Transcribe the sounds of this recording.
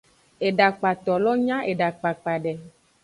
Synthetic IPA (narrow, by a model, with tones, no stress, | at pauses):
e˨ɖa˨k͡pa˨t̪ɔ˨lɔ˦ɲã˦ʔe˨ɖa˨k͡pa˨k͡pa˨ɖɛ˨